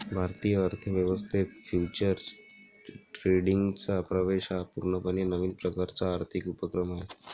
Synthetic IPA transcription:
bʱaɾt̪ijəːɾt̪ʰəʋjəʋəst̪ʰit̪fjut͡ɕəɾs | ʈɾeɽiŋɡt͡sapɾəʋeɕapuɾɳəpənenəʋiːnpɾəkaɾt͡saːɾt̪ʰikupəkɾəmaɦe

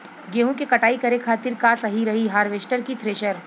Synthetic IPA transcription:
ɡeːɦũkekɐʈaːikɐɾekʰaːt̪ɪɾkaːsɐɦiɾɐɦiɦaːɾʋeːsʈəɾkit̪ʰɾeːʃəɾ

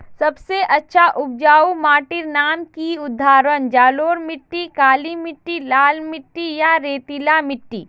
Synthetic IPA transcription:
sɐbseʔɐtːʃʰaʔʊb̚d͡ʒaːumaːʈɪɾnaːmkiʊd̪ʱːaːɾənd͡ʒaːloːɾmɪʈːikaːlimɪʈːilaːlmɪʈːijaɾeːt̪ilamɪʈːiː

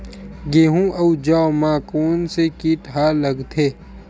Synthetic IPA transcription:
ɡeːɦũʔɐud͡ʒaːmaːkoːnsekiːʈɦaːlɐɡt̪ʰeː

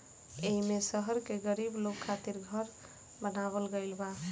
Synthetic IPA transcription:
eɦimesəɦəɾkeɡəɾiblokʰːat̪iɾɡʱəɾ | bənaβəlɡəjlba

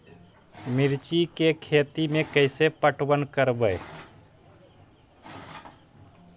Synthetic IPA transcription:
mɪɾt͡ʃikekʰeːt̪imẽkəɪsepəʈʰwənkəɾbəe

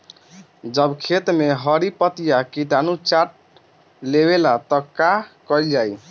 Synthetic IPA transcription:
d͡ʒəbkʰet̪meɦəɾipət̪ijakiʈanut͡ʃaʈ̚ | leβelat̪ɔkakɔld͡ʒaj

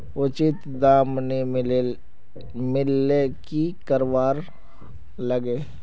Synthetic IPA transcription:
ʊt͡ʃɪt̪d̪aːmni | mɪlːekikəɾʋaːɾ | ləɡeː

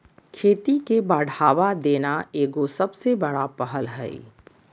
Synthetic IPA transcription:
kʰeːt̪ikebaːɽʱaːʋad̪eːnaeːɡosɐbsebɐɽapəɦəlɦɛ̰ḭ

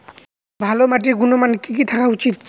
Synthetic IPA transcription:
bʱalomaʈiɾɡunomankik̬it̪ʰakaut͡ɕit̪̚

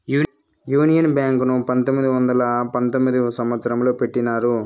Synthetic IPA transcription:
juː | juːnijɐnbjaːŋknupɐnt̪omːid̪iʋɐnd̪ɐlɐpɐnt̪omːid̪isɐmʋɐt̪sɐɾɐmlo̞ːpe̞ʈːinaːɾu

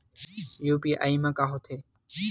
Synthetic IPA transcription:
juːpiːʔa̰ːiːmaːkaːɦot̪ʰeː

